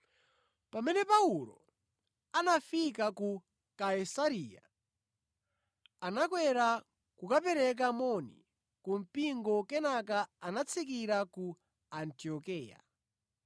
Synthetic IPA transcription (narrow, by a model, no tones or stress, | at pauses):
pamɛnɛpauɾɔ̰ | anafikaku | kaisaɾiːja̰ | anakwɛɾa | kukapɛɾɛk̬amɔnḭ | kum̩piŋɡɔkɛnakaanat͡sʰik̬iɾaku | antiɔkɛːja̰